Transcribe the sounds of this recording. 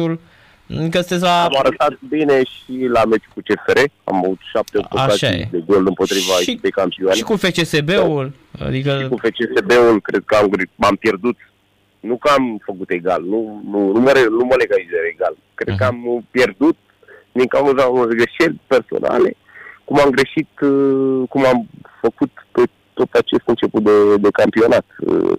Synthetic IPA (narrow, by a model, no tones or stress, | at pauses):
ul | kəst̪eslaamaɾət̪at̪̚bineʃilame̞t͡ʃu̥kut͡ʃe̞feɾea̰mavut̪ʃap̚t̪eopoaaʃajḛd̪eɡo̞ld̪ɨmpo̞t̪ɾivaekiip̪ejkampioanekufet͡ʃesebeul | a̰d̪ikəkufet͡ʃesebeulkɾʔe̞d̪̚kəamɡɾampje̞rd̪ut̪ | nukəamfəkut̪e̞ɡalnununuməɾenuməleɡalizeɾeɡal | kɾe̞d̪kəampje̞rd̪ut̪̚ | d̪iŋkawzaɡɾeʃe̞lʲpe̞rso̰nʔa̰le̞̰ | kumamɡɾe̞ʃit̪ | kumamfəkut̪pe | t̪o̞t̪at͡ʃe̞st̪ɨnt͡ʃe̞put̪̚d̪e̞d̪e̞kampio̞nat̪ɨ̰